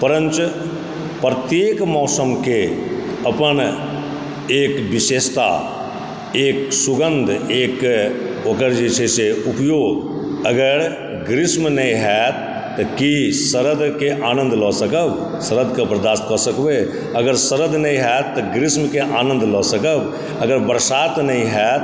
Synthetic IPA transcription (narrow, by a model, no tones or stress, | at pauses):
pəɾə̃nt͡ʃ | pɾət̪jeːkmɔːsəmke | ɐpən | eːkʋɪʃeːst̪a̰ | eːksʊɡə̃nd̪ʱeːk | okəɾd͡ʒiʃeseupjoːɡəɡəɾ | ɡɾɪsmnəɦĩɦɛt̪ː | kisəɾəd̪keʔaːnə̃nd̪ʱlɔːsəkəb | səɾəd̪kabɾəd̪aːst̪kɔsəkbe | əɡəɾsəɾəd̪nəɦĩɦɛt̪ːɔɡɾɪsmkeʔaːnə̃nd̪ʱlɔːsəkəb | əɡəɾbəɾsaːt̪nəɦĩɦɛːt̪